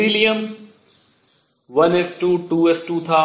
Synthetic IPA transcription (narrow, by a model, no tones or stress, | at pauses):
ilijɐm | ʋɐnesʈuːʈuːesʈuːt̪ʰaː